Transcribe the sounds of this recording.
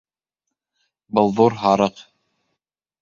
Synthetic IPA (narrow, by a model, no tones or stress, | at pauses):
bɤlˠðuɾɦɑɾɤq